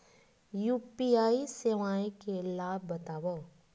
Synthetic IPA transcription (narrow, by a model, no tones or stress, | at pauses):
juːpiaːiseʋaːẽkelaːbːɐt̪aːwə